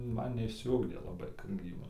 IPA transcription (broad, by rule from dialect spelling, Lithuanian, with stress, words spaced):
ˈmɐn nʲɛɪʃʲsʲɪˈʊɡdʲeː lˠɐˈbɐɪ kɐt ˈɡrʲiːbɐm